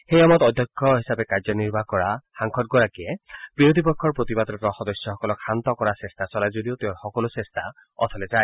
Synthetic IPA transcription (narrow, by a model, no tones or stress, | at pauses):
xejamɔt̪ɔd̪ʱjɔkʰːɔɦisabɛkaɹzɔniɹbʱakɔɹaxaŋkʰɔt̚ɡɔɹakijɛb̥iɹod̪ʱipɔkʰːɔɹpɹot̪ibad̪ɔtɔxɔd̪ɔsjɔxɔkɔlɔkxant̪ɔkɔɹasestasɔlajzodiot̪eʊ̃ɹxɔkɔlosestʰa | ɔ̰t̪ʰɔlɛzaj